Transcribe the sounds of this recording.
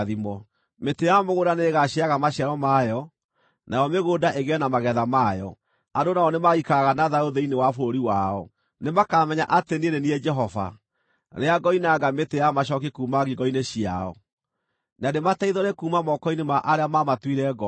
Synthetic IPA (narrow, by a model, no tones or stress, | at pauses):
ðimɔ | metejaɔmeɣoːdaneːɣaɕiaɣamaɕjaɾɔmajɔ | nʔajɔmeɣoːdaʔeɣeɛnamaɣɛðamajɔ̰ | andonaɔnemaɣikaɣanaðaoðeinewafoɾoɾiwaɔ̰ | nemakaːmɛɲaʔatenieneniɛd͡ʒɛɦɔfa̰ | neaɡɔinaɡametejamaɕɔk̬ikumaɣiɡɔineɕia̰ɔ̰ | nademataiðɔɾekuːmamɔkɔinemaʔaɾeamamatwiɾɛɡɔ